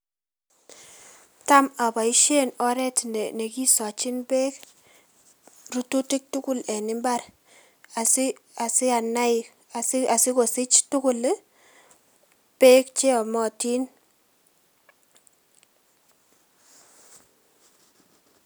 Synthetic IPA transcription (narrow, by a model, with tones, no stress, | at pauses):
ta˦ma˨ba˨i˦ʃe˦nɔ˦ɾɛ˦ti˨ne˨ne˨ki˦sɔ˨t͡ʃi˦nbe˦k | ru˦tu˦ti˦k̚tu˦kʊ˦lɛ˨nɪ˦mba˦r | a˨s | a˨si˦a˨na˦ɪ˨ | a˨sa˨sɪ˦ko˨sɪ˦t͡ʃtʊ˦kʊ˦l | pe˦k̚t͡ʃe˦ɔ˨mɔ˨ti˦n